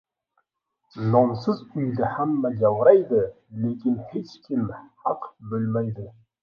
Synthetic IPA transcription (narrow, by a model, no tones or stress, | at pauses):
nonsəzujlɪhamːæd͡ʒawɾɑjd̪ɪ | lekʲɪnhet͡ʃkʲʰɪmħɑqbølmæjd̪ɪ